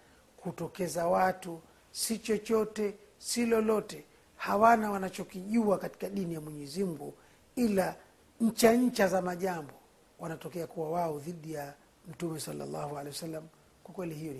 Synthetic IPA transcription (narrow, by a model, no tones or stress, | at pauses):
kutɔkɛzawatu | sit͡ʃɔt͡ʃɔtɛ | silɔlɔtɛ | hawanawanat͡ʃɔkiʄuakati̥kaɗinijamwɛɲɛzim̩ɡu | ila | ɲ̩t͡ʃaɲ̩t͡ʃazamaʄambɔ | wanatɔkɛakuwawaɔðiɗija | m̩tumɛsalːa̰lːa̰hualɛwasalːam | kwakwɛlihijɔn